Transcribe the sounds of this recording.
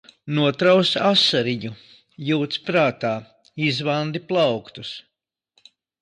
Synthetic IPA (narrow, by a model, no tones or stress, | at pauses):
nuɔt̪ɾawsasaɾiɲu | juːt̪spɾaːt̪aː | izvand̪iplˠɑwkt̪us